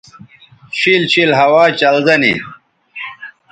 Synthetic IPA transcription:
ɕʰilɕilɦɐwaːt͡ɕɐlzɐnḭ

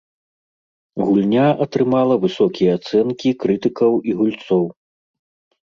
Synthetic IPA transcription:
ɣulʲnʲaʔɐt̪ɾɨmalˠɐvɨsɔkʲijɛat̪sɛnkʲikɾɨt̪ɨkɐwiɣulʲt̪sɔw

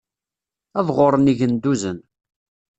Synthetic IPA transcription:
ævʁʊɾˤəniʝənd̪uzən

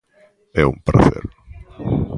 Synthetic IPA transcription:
ɛumpɾa̰θḛɾ

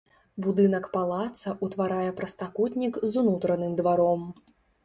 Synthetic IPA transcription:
bud̪ɨnɐkpalˠat̪sɐʔut̪vaɾajɛpɾɐst̪akut̪ʲnʲikzunut̪ɾɐnɨmd̪vaɾɔm

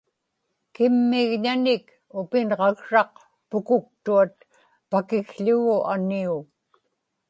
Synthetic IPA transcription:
kɪmːɪɣɲanɪk | ʊpɪnʁɑɣʂɑq̚ | pʊkʊk̚t̪uat̪̚ | pakɪɣʎʊɣʊʔaniu

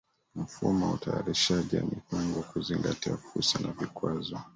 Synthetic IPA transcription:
m̩fumautajaɾiʃaʄia̰mihuŋɡɔkuziŋɡatiafuɾsanavikwazɔ

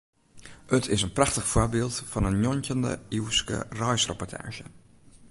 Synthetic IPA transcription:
ətʰɪsənprɑxtəxforbɪːlˠtfɔnənjɔncəndə̰iwskə̰rɔjsrəpɔtʰa̰ːʒə

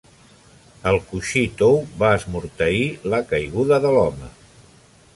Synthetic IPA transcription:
əlˠkuʃit̪owβaəzmuɾt̪əiləkəjɣuðəðəlɔmə

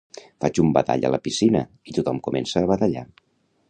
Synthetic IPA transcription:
fad͡ʒumbət̪a̰ʎə̰ləpisinə̰ | it̪ut̪ɔmkumɛnsəːβət̪əʎa̰

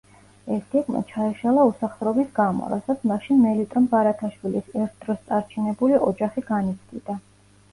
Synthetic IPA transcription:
ɛst̪ʰikma̰t͡ʃʰaɛʃalˠausaχd̪ɾɔbisɡamɔ̰ɾa̰sat̪sʰmaʃinmɛlit̪ʼɔmbaɾat̪ʰaʃwilisɛɾt̪ʰd̪ɾɔst̪sʼaɾt͡ʃʰinɛbuliʔɔd͡ʒaχiɡanit̪sʰd̪ḭd̪̥a

